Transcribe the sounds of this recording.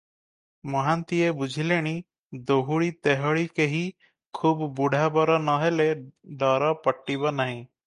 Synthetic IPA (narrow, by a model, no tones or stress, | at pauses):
mɔɦant̪iebud͡ʒʱileɽ̃i | d̪oɦuɭit̪eɦɔɭikeɦi | kʰubbuɽʱabɔɾɔnɔɦeleɖɔɾɔpɔʈːiβɔnaɦĩ